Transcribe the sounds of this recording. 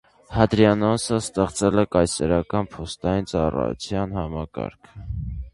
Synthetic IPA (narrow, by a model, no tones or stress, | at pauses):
hɑd̪ɾjɑnɔsəst̪ɛχt͡sɛlɛkɑjsɛɾɑkɑnpʰɔst̪ɑjint͡sɑrɑ̰jṵt͡sʰjɑnhɑmɑkɑ̰ɾkʰ